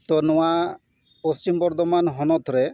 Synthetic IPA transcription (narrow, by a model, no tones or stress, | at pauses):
t̪ɔnɔwa | post͡ʃimbɔɾd̪ɔmanɦɔnɔt̪ʰɾɛ